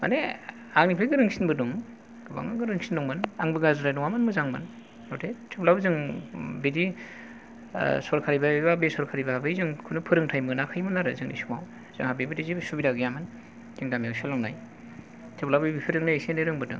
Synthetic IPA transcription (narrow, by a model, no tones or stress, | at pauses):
ma̰ne | aŋnipʰɯjɡɯɾɯŋsinbɯduŋ | ɡ̥ɯba̰ŋɯɡɯɾɯŋsinːɔŋmɯnaŋbɯɡazɯɾajnɔŋamɯnmɯzaŋmɯ̰n | ɔtʰetʰeplabɯzɯŋbedi | sɔɾkʰaɾibababesɔɾkʰaɾibabɯjzɯŋkʰɯnɯpʰɯɾɯŋtʰajmɯnakʰajmɯnaɾɯzɯŋnḭsumaw | z̥ɯŋhabebɯdizibɯsubiɾaɡɯjamɯn | zɯŋdamiawsalɔŋna̰j | tʰɯplabɯbipʰɯɾɯŋnɯseneɾɯŋbɯdɯ̰ŋ